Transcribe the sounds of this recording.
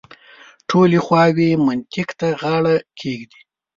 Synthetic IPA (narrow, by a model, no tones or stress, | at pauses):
ʈʰolexwɑwemʊnt̪ɪkt̪aɣɑɽakʰeɡd̪i̥